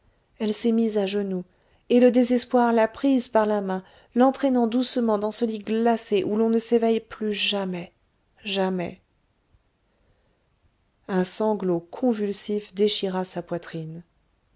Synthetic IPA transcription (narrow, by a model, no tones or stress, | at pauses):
ɛlsɛmizaʒənu | eləd̪ezɛspwaʁlapχizpaʁlamɛ̃ | lɑ̃t̪χɛnɑ̃d̪usmɑ̃d̪ɑ̃səliɡlaseʔulɔ̃nəsevɛjplyʒamɛ | ʒamɛ̰ | ɛ̃sɑ̃ɡlokʰɔ̃vylsifd̪eʃiʁasapwat̪χin